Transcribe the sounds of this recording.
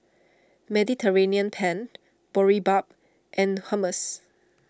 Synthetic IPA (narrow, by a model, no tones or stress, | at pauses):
mɛditʰəɹeniə̃npʰɛ̃n | b̥ɔɹibap̚ | ʔɛ̃nhãməs